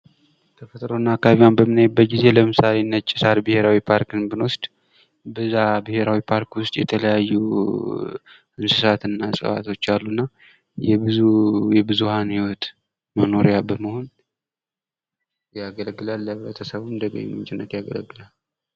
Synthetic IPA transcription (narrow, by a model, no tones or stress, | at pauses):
t̪ʰəfət̪ʼɾonːakʰːaβiwanbəmɨnajbːət̪̚ɡize̞ləmɨsalenːət͡ʃʼːɪ̥saɾbɨhe̞ɾawipʰaɾkɨnbɨnwʊst̪ʼ | bɨzabɨhe̞ɾawipʰaɾkwʊst̪ʼjɛ̰t̪ʰələjajːu | ʔɨnsɨsat̪ɨnːasʼɨ̰fa̰t̪ʰo̞t͡ʃːalːunːa | jɛbɨujɛbɨzuhanhiwɔt̪ʼ | məno̞ɾejabəməho̞n | jaɡələɡːɨlalːəβɾət̪ʰəsəβumd̪əɡə̰ɲːɛ̰mɨ̰nt͡ʃʼɪnːət̪jaɡələɡːɨlal